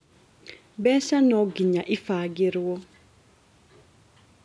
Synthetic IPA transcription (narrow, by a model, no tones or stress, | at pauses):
ɓɛsanɔɡiɲaʔifaɡiɾiwɔ